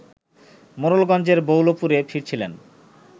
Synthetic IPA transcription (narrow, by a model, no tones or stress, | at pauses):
moɾolɡɔnd͡ʑeɾbowlopuɾefiɾt͡ɕʰilen